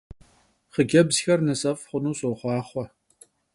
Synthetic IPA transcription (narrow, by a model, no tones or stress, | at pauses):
χəɡʲɐbzxɐrnɨsʼɐfʼχʷʊnuːsʼowχʷɑːχʷɔ